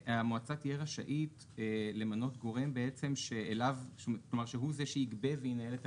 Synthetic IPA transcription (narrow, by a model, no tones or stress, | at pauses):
amoat͡satijeʁaʃa̰ʔit | ele̞mano̞tɡo̞ʁe̞mbeet͡se̞mʃeːlavlomaʁʃeɦuzeʃeiɡbe̞vejinaelet